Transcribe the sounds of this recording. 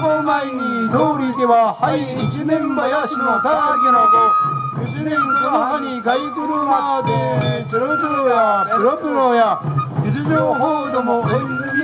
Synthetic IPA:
omaiɲ̟id̪oːɾʲid̪e̞βahaiːt͡ɕinẽ̞mbajaɕinok̪aaɡ̪enad̪o | it͡ɕinẽ̞ŋkonaɦaɲ̟ikaikɯɾɯ̟nakad̪ekɯɾopoɾojapɯ̟ɾopɯɾojad͡ʑit͡ɕiʑoːɦo̞ːd̪o̞mo̞e

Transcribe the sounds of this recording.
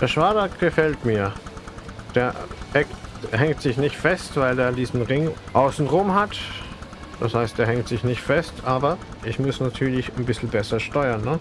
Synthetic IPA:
d̥eːɐʃv̥aːdɐɡ̥əfɛltmiːɐ | d̥eːɐɛktɦɛŋtz̥ɪçnɪçtfɛstv̥aɪleːɐdiːzn̩ʁɪŋʔaʊsn̩ʁʊmhat | d̥ashaɪstd̥eːɦɛŋtz̥ɪçnɪçtfɛstʔaːbɐʔɪçmʊsnatʰyːɐlɪçnbɪsl̩bɛsɐʃtɔʏɐnːə

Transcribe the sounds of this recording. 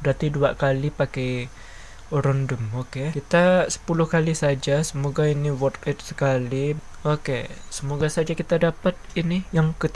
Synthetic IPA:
dat̪iduakalipakaj | oɾɔndɔmokekit̪asə̥pulʊhkalisad͡ʒasəmoɡainiwɔt̪lɛt̪̚sə̥kaliokesəmoɡasad͡ʒakit̪adapat̪̚inijaŋkət̪

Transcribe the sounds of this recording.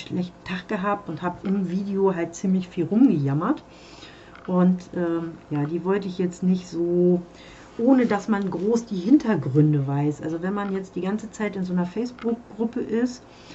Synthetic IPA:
ʃlɛçtn̩tʰaχɡ̥əɦaːp̚tʊnthaːbəʔɪmviːdeoɦalt̚t͡siːmlɪçfiːlʁʊmɡəjamɐt | ʔʊntʔɛːmjaːdiːvɔltəɪçjɛt͡stnɪçtz̥oː | ʔoːnədasmanɡʁoːsd̥iːhɪntʰɐɡʁʏndəvaɪsʔa̰lzovɛnmanjɛt͡std̥iːɡant͡sət͡saɪtɪnzoːnɐfɛɪsb̥ʊk̚ɡ̥ʁʊpəʔɪst

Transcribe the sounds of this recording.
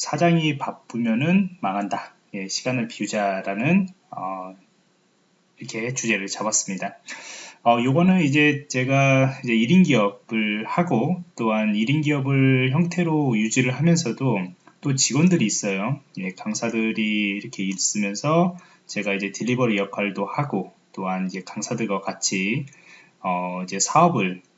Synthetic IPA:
sʰad͡ʑaŋipap͈ɯmjʌnɯnmaŋɦanda | je̞ɕʰiɡanɯɭpiud͡ʑaɾanɯn | ʌ | iɾʌkʰe̞t͡ɕud͡ʑe̞ɾɯɭt͡ɕabas͈ɯmɲida | ʌjoɡʌnɯnid͡ʑe̞t͡ɕe̞ɡaid͡ʑe̞iɾinɡiʌbɯɭhaɡot͈oɦaniɾinɡiʌbɯɭçjʌŋtʰe̞ɾojud͡ʑiɾɯɭɦamjʌnsʰʌdo | t͈ot͡ɕiɡwʌndɯɾiːs͈ʌjoie̞kaŋsʰadɯɾiːɾʌkʰe̞iɭs͈ɯmjʌnsʰʌ | t͡ɕe̞ɡaid͡ʑe̞tiʎːibʌɾijʌkʰaɭdohaɡot͈oɦanid͡ʑe̞kaŋsʰadɯɡwakat͡ɕʰi | ʌid͡ʑe̞sʰaʌbɯɭ

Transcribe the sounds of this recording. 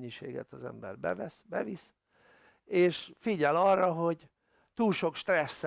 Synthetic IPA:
ɲːiʃeːɡɛ̰t̪ɒzɛ̰mbɛrbɛ̰vɛsbɛvis | eːʃfiɟɛlɒrːɒɦo̞ɟ | t̪uːlʃo̞kʃt̪rɛsː

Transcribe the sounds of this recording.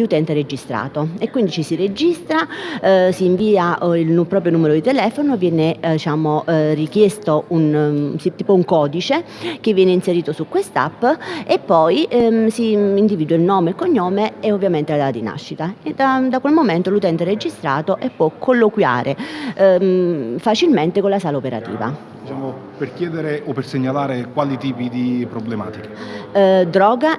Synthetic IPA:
ut̪ɛnt̪eɾed͡ʒist̪ɾa̰ːt̪oekːwind̪it͡ʃisired͡ʒist̪ɾasiːɱviːaʔilnupɾɔːpɾjonuːmeɾod̪it̪ɛlɛːfonovjɛːned̪it͡ʃaːmorik̟jɛst̪ounsit̪iːpouŋkɔːd̪it͡ʃe | k̟evːjɛːneinseɾiːt̪osukːwest̪a̰pːepːɔjsiːnd̪iviːd̪wailnɔːmeilkoɲːɔːmeɛovːjament̪elad̪aad̪ina̰ʃːit̪ad̪ad̪akwelmomɛnt̪olut̪ɛnt̪ered͡ʒist̪ɾa̰ːt̪oʔɛpːwɔkʰːolːokwja̰ːɾʔe | fat͡ʃilment̪ekonlasaːlaopeɾa̰t̪ḭːva̰ | d̪it͡ʃaːmo | perkjɛːd̪eɾeopːerseɲːalaːɾekwaːlit̪iːpid̪ipɾoblema̰ːt̪ike̥ | d̪ɾɔːɡa

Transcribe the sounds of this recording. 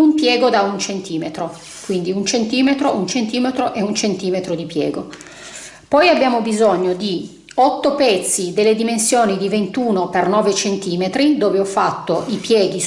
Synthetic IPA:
umpjɛːɡod̪aunt͡ʃent̪iːmet̪ɾo | kwind̪iunt͡ʃent̪iːmet̪ɾoʔunt͡ʃent̪iːmet̪ɾoʔɛunt͡ʃent̪iːmet̪ɾod̪ipjɛːɡo | pɔjabjaːmobizoɲːod̪i | ɔt̪ːopɛt̪sːid̪elːed̪imensjoːnid̪ivent̪uːnopernɔːvet͡ʃent̪iːmet̪ɾid̪oːveɔfːat̪ːoʔipjɛːɡi

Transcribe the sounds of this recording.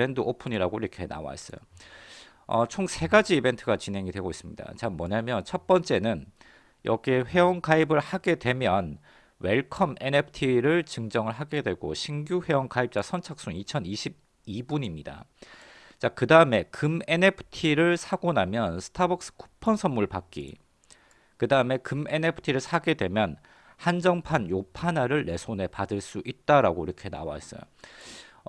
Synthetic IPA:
endɯʔopʰɯɲiɾaɡoiɾʌkʰe̞na̰wa̰es͈ʌ̰jo̰ | ʌt͡ɕʰoŋsʰe̞ɡad͡ʑiːbe̞ntʰɯɡat͡ɕinɦe̞ŋidwe̞ɡois͈ɯmɲida̰t͡ɕamːʌɲamjʌnt͡ɕʰʌt̚p͈ʌnt͡ɕ͈e̞nɯn | jʌɡeɸwe̞ʌŋkaibɯɭhaɡe̞dwe̞mjʌn | weɭkʰʌme̞nepʰɯ̥tʰiɾɯɭt͡ɕɯŋd͡ʑʌŋɯɭɦaɡe̞dwe̞ɡoɕʰiŋɡjuɸwe̞wʌŋkaip̚t͡ɕ͈asʰʌnt͡ɕʰak̚s͈uŋit͡ɕʰʌniɕʰib̚ | ibuɲimɲida̰ | t͡ɕakɯdaɯme̞kɯme̞nepʰɯ̥tʰiɾɯɭsʰaɡonamjʌnsʰɯ̥tʰabʌk̚s͈ɯ̥kʰu̥pʰʌnsʰʌnmuɭpak͈ḭ | kɯdaɯme̞kɯme̞nepʰɯ̥tʰiɾɯɭsʰaɡe̞dwe̞mjʌn | hand͡ʑʌŋpʰanjopʰanaɾɯɭːe̞sʰone̞padɯɭs͈uʔit̚t͈aɾaɡoiɾʌkʰe̞na̰wa̰es͈ʌ̰jo̰

